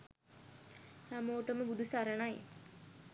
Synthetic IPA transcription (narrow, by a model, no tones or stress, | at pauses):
hæmoːʈəməbud̪usaɾənaj